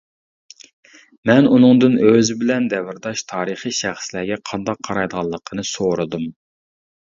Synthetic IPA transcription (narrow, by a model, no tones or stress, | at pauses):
mɛnunɨŋd̪ɨnøzɪbɪlɛnd̪ɛwɪɾd̪ɑʃt̪ʰɑːɾəχiʃæχslæɡʲɛqʰɑnd̪ɑqʰːɑɾɑjd̪əʁɑlˠːəqʰənɨsoɾɨd̪um